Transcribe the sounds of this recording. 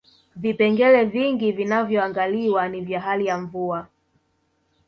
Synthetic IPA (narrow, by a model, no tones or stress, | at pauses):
vipɛŋɡɛlɛviŋɡivinavjɔaŋɡaliwanivjaɦalijaɱvua